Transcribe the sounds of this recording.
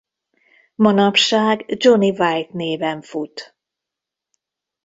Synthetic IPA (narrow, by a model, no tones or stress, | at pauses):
mɒnɒpʃaːɡd͡ʒonivajt̪neːvɛɱfut̪